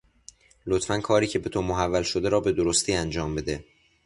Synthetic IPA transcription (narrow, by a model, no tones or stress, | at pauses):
lot̪fænkʰɒːɾiːcʰe̞bet̪ʰomoɦævːælʃo̞d̪eɾɒːbe̞d̪oɾost̪iːænd͡ʒɒːmbe̞d̪e̞